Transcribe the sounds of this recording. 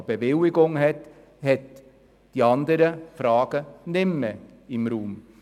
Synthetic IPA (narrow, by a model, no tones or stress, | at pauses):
b̥eʋɪlɪɡʊŋhɛt̪ | hɛt̪ | d̪̥iɑnd̪əɾəfɾɑːɡ̥ənɪmːə | ɪmɾuːm